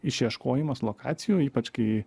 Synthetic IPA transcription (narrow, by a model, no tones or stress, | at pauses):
ɪʃʲjiɛʃkoːjɪmɐslˠoːkɑ̰ːt̪ʲɪjoːiːpɐt͡ʃkɐɪ